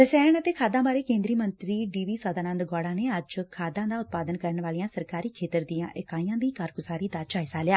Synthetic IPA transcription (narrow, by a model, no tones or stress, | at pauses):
əsɛːəɳət̪eːkʰaːd̪ãːbaːɾeːkẽːnd̪ɾiːmənt̪ɾiːɖiːʋiːsəd̪aːnənd̪ɡaːɽãːneːəd͡ʒkʰaːd̪ãːd̪aːʊt̪̚paːd̪ənkəɾəɳʋaːlijãːsəɾkaːɾiːkʰeːt̪əɾd̪ɪjãːʔɪkaːijãːd̪iːkaːɾkʊsaːɾiːd̪aːt͡ʃaːɦɪsaːlɪjaː